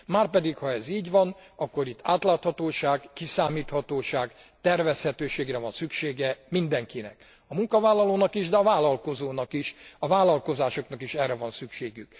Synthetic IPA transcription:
maːrpɛd̪ikhɒɛziːɟʋɒnɒkːo̞ɾit̪ːaːt̪laːt̪hɒt̪oːʃaːɡkisaːmiːt̪hɒt̪oːʃaːɡ | t̪ɛrvɛshɛt̪øːʃeːɡrɛvɒnsykʃeːɡɛmind̪ɛŋkinɛ̰k | ɒmuŋkɒvaːlːɒloːnɒkiʒd̪ɛɒvaːlɒlko̞zoːnɒkiʃɒvaːlɒlko̞zaːʃo̞knɒkiʃɛrːɛvɒnsykʃeːɡyk

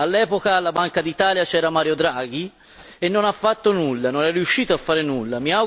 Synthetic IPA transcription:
alːɛːpokalabaŋkad̪it̪aːljat͡ʃɛːɾamaːɾjod̪ɾaːɡ̟i | enːonafːat̪ːonulːanonɛrːiuʃːiːt̪oafːaːɾenulːamiaw

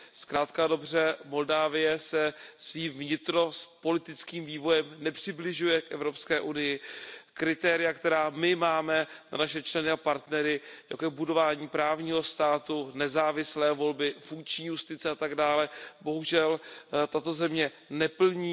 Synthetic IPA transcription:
skɾaːt̪kado̞br̝ɛmo̞ldaːvɪjɛsɛsviːmvɲɪt̪ɾo̞spo̞lɪt̪ɪt͡skiːmviːvo̞jɛmnɛpr̥ɪblɪʒujɛkʔɛ̰vɾo̞pskɛːʔunɪjɪkɾɪt̪ɛːɾɪjakt̪ɛɾaːmɪmaːmɛna̰naʃɛt͡ʃlɛnɪapaɾt̪nɛɾɪja̰kojɛbudo̞vaːɲiːpɾaːvɲiːɦo̞st̪aːt̪unɛzaːvɪslɛːvo̞lbɪfuŋkt͡ʃɲiːjust̪ɪt͡sɛat̪aɡdaːlɛbo̞ɦuʒɛlt̪at̪o̞zɛmɲɛ | nɛpl̩ɲiː

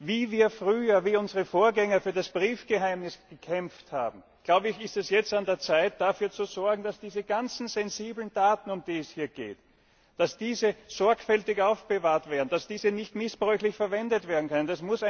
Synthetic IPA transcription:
viːviːɐfʁyːɐviːʊnzəʁəfoːɐɡɛŋɐfyːɐdasb̥ʁiːfɡ̥əhaɪmnɪsɡ̥əkʰɛmftha̰ːbm̩ | ɡ̥laʊbəɪçɪstɛsjɛt͡standeːɐt͡saɪt̚d̥afyːɐt͡suzɔɐɡŋ̩d̥asd̥iːzəɡ̥ant͡sn̩zɛnziːblənd̥aːtn̩ʊmd̥iːɛshiːɐɡ̥ḛːt | d̥asd̥iːzəz̥ɔɐkfɛltɪçʔaʊfb̥əvaːɐtv̥eːɐdn̩d̥asd̥iːzənɪçtmɪsb̥ʁœʏçlɪçfɛɐvɛndətv̥eːɐdn̩kʰœnənd̥asmʊs

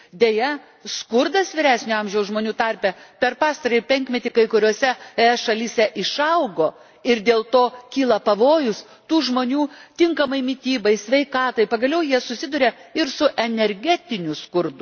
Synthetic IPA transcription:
d̪ʲeːjɛ | skʊrd̪ɐsʋʲɪɾʲæːsʲnʲʊɐmʲʒʲɛʊsʒmoːnʲuːt̪ɐɾʲpʲɛpʲɛɾpɑːst̪ɐɾɐɪpʲɛŋʲkmʲɛt̪ʲɪkɐɪkʊɾʲoːsʲɛɛʃɐlʲisʲɛʔɪʃɐʊɡoː | ɪɾd̪ʲeːlˠt̪oːkʲiːlˠɐpɐʋoːjʊs | t̪uːʒmoːnʲuːt̪ʲɪŋkɐmɐɪmʲɪt̪ʲiːbɐɪsʲʋʲɛɪkɑːt̪ɐɪpɐɡɐlʲɛʊjiɛsʊsʲɪd̪ʊɾʲɛɪɾsʊʔɛnʲɛɾʲɡʲæːt̪ʲɪnʲʊskʊɾd̪ʊ

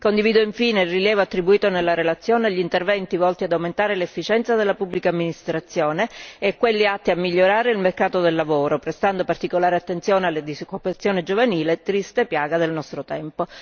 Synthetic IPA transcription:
kond̪iviːd̪oiɱfiːneilriljɛːvoat̪ːɾibuiːt̪onelːaɾelat̪sːjoːneʎːint̪ervɛnt̪ivɔlt̪iad̪awment̪aːɾelefːit͡ʃɛnt̪sad̪elːapubːlikaːmːinist̪ɾat̪sːjoːneːkːwelːiat̪ːiamːiʎːoɾaːɾeilmerkaːt̪od̪elːavoːɾopɾest̪and̪opart̪ikolaːɾeat̪ːent̪sjoːnealːed̪isokːupat̪sːjoːned͡ʒovaniːlet̪ɾist̪epjaːɡad̪elnɔst̪ɾot̪ɛmpo

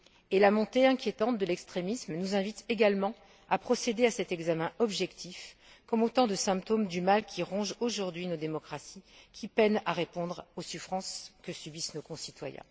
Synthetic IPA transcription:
elamɔ̃t̪eɛ̃kʲjet̪ɑ̃t̪̚d̪əlɛkst̪χemismnuzɛ̃vit̪eɡalmɑ̃ | apχɔsed̪easɛt̪ɛɡzamɛ̃ʔɔbʒɛkt̪ʰif | kɔmot̪ɑ̃d̪əsɛ̃pt̪omd̪ymalkʲʰiʁɔ̃ʒoʒuʁd̪ɥinod̪emɔkχasikʲʰipɛnaʁepɔ̃d̪ʁosufχɑ̃skəsybisnokɔ̃sit̪wa̰jɛ̰̃

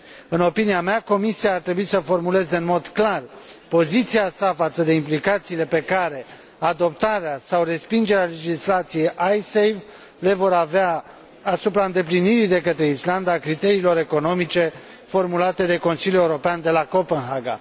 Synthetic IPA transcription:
ɨno̞piniameako̞misiaːrt̪ɾe̞buisəfo̞rmule̞zeɨnmo̞d̪klarpo̞zit̪siasafat̪səd̪e̞implikat̪siːle̞pe̞kaɾe̞ | ad̪o̞p̚t̪aɾeasawre̞spind͡ʒe̞ɾeale̞d͡ʒislat̪sije̞jʔajsejv | le̞vo̞ɾavea | asupɾaɨnd̪e̞pliniɾid̪e̞kət̪ɾe̞island̪aːkɾit̪e̞ɾiːlo̞ɾe̞ko̞no̞mit͡ʃe̞ | fo̞rmulat̪e̞d̪e̞ko̞nsiljule̞uɾo̞peand̪e̞lako̞penɦaɡa̰

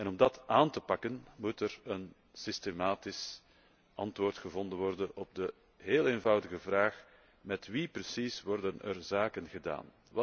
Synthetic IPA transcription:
ɛnɔmdɑtʔaːntəpɑkənmutɛrən | sistemaːtɪs | ʔɑ̰ntʋoːrtxəvɔndənʋɔrdənɔb̚də | ɦeːleːnvɑwdəɣəvraːx | mɛtʋiprəsisʋɔrdənə̰rzaːkənɣəda̰ːn

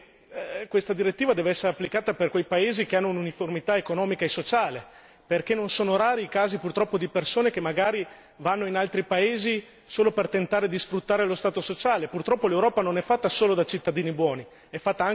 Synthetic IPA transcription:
kwest̪ad̪iɾet̪ːiːvad̪ɛːveɛsːeɾeapːlikaːt̪aperkwejpaeːzik̟eanːoununiformit̪aekonɔːmikaesot͡ʃaːle | perk̟enːonsoːnoɾaːɾiːkaːzipurt̪ɾɔpːod̪ipersoːnek̟emːaɡaːɾi | vanːoinalt̪ɾipaeːzi | soːlopert̪ent̪aːɾed̪isfɾut̪ːaːɾelost̪aːt̪osot͡ʃaːlepurt̪ɾɔpːolewɾɔːpanonɛfːat̪ːasoːlod̪at͡ʃit̪ːad̪iːnibwɔːni | ɛfːat̪ːaaŋ

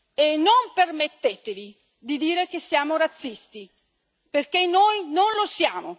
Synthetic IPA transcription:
enːompermet̪ːet̪evi | d̪id̪iːɾek̟esːjaːmoɾat̪sːist̪i | perkenoːjnonlosjaːmo

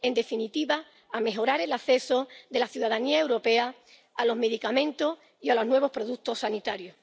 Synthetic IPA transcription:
e̞nd̪e̞finit̪iβaː | me̞ɦo̞ɾaɾe̞laθe̞so̞ðe̞laθjuðaðaniae̞wɾo̞pe̞a | alo̞ɦme̞ðikamẽ̞nt̪os | ialo̞ɦnwe̞β̞o̞hpɾo̞ðukt̪o̞sanit̪aɾjo

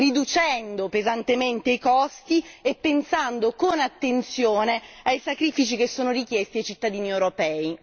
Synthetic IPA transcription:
rid̪ut͡ʃɛnd̪opezant̪ement̪eikɔst̪iepːensand̪okonat̪ːent̪sjoːneajsakɾifit͡ʃikesːoːnorikjɛst̪iajt͡ʃit̪ːad̪iːniewɾopɛːi

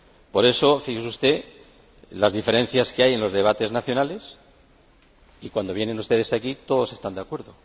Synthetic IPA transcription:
po̞ɾe̞so̞fixesust̪e̞ | lazðife̞ɾe̞n̟θjaskeaje̞nlo̞zðe̞β̞at̪e̞znaθjo̞nale̞s | ikwand̪o̞βje̞ne̞nust̪e̞ðe̞sakit̪o̞ðo̞se̞st̪and̪eakwe̞ɾðo̞

